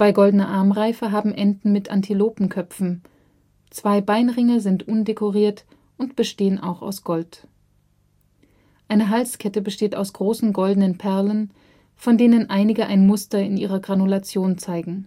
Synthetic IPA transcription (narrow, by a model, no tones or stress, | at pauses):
b̥aɪɡɔldənɐʔaɐmʁaɪfəɦaːbm̩ʔɛndn̩mɪtʔa̰ntʰiloːpm̩kʰœfn̩ | t͡sv̥aɪbaɪnʁɪŋɐzɪntʔʊndekʰoʁiːɐt | ʔʊntb̥əʃteːənʔa̰ʊxa̰ʊsɡ̥ɔlt | ʔaɪnəɦalskʰɛtəbəʃteːta̰ʊsɡ̥ʁoːsn̩ɡɔldənənpʰɛɐlən | fɔndeːnənʔaɪnɪɡəʔaɪnmʊstɐɪnʔiːʁɐɡʁanulat͡sjoːnt͡saɪɡŋ̩